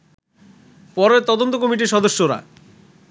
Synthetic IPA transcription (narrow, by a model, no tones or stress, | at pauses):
pɔɾet̪ɔd̪ont̪okɔmiʈiɾʃɔd̪oʃːoɾa̰